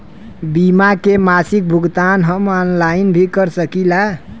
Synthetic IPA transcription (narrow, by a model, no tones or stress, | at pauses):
bimakemasik̚bʱuɡt̪anɦəmɔnlainbʱikəɾsəkila